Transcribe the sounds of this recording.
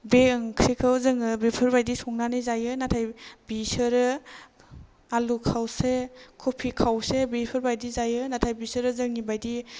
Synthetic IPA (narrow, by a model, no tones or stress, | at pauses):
beɯŋkʰɾikʰɯwzɯŋɯbipʰɯɾbajdisɔŋnanijzajɯnatʰajbisɯɾɯ | alukʰawsekʰopʰikʰawsebipʰɯɾbajdizajɯnatʰajbisɯɾɯzɯŋibajdi